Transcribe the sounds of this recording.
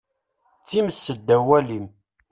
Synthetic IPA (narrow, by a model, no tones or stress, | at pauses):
t͡sːiməsːəd̪ːæwælim